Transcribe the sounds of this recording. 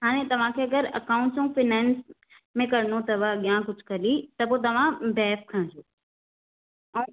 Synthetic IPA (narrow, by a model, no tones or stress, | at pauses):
ɦaːɽ̃ẽt̪ɐʋ̤ãkʰeːɐɡəɾɐ̰kãʊ̃ɳʈsũfɪnɛːns | mẽkɐɾnot̪ɐʋəɠijãk̬ʊd͡ʑʱkʰɐlit̪ɐpoːt̪̬ɐʋ̤ãbɛːfkʰɐɽ̃d͡ʑoː